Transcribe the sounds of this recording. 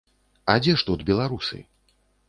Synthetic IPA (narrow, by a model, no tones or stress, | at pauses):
ad͡zʲɛʂt̪ud̪bʲɛlˠaɾusɨ̰